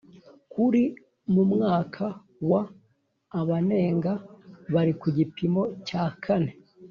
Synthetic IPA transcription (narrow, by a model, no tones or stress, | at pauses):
kʰuɾi | mumŋaːkʰa | waː | βane̞ːŋɡaβaɾikuɟipimo̞caːkʰane̞